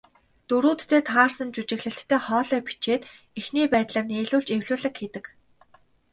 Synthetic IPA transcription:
t̪ɵɾuːt̪ːʰeːt̪ʰaːrsə̆nt͡ɕut͡ɕɪ̆ɣɮɘ̆ɬt̪ʰːæːχɔːɮœːpi̥t͡ɕeːt̪ | exniːpæːt̪ɮaːrneːɮuːɮt͡ɕewɮuːɮɘ̆kxet̪ɘ̆k

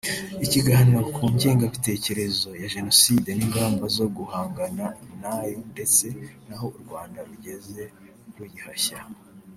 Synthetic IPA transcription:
iciɡahanokʰuːɲɟeːŋɡaβite̞ːce̞ɾe̞zo̞jaʒe̞no̞siːde̞niŋɡaːmbazo̞ɡuhaːŋɡanamunaːjonde̞t͡se̞naɦo̞uɾɡwaːndaɾuɟe̞ze̞ | ɾujihaça

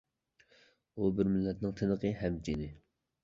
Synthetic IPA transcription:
ubɪɾmɪlːɛt̪nɨŋt̪ʰɪnəqəɦɛmt͡ʃinɪ

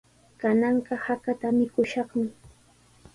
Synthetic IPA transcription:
kanɑɴɢɑhakat̪amɪkʊʃɑχmɪ

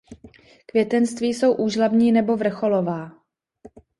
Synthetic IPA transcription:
kvjɛt̪ɛnst̪viːso̞wʔuːʒlabɲiːnɛbo̞vr̩xo̞lo̞vaː

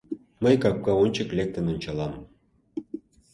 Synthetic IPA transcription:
mə̆jkɑk̚kɑonʲt͡ɕə̆klek̚t̪ə̆nonʲt͡ɕɑlɑm

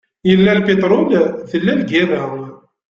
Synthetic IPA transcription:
jəlːælpit̪ɾʊlðəlːælɡæməɾ

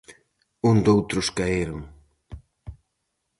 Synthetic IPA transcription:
und̪owt̪ɾʊskaeɾʊŋ

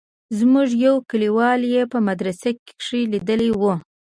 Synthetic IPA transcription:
zmuʐjawkəliwɑljepəmad̪ɾasake̥kʂilid̪əliwu

